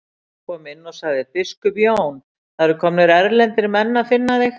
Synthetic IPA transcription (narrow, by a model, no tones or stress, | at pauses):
kʰɔmɪnːɔsaɣðɪfɪskʏpjoːwn | θaðɾʏɾkʰɔmnɪɾɛɾlɛnt̪ɪɾmɛnːafɪnːaðɪ